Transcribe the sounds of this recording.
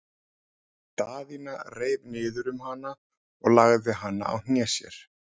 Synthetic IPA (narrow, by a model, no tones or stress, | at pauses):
t̪aːðinareːjvnɪːðʏɾʏmhanːa | ɔɣlaɣðvɪɦanːa̰a̰wn̥njɛsjɛ̰ɾ̥